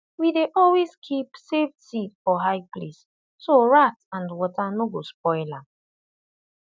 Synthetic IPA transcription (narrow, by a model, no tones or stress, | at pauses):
wideʔɔlweskʰipsefttifɔɦaɪples | soɹatãndwɔtanoɡosp̚ɔɪla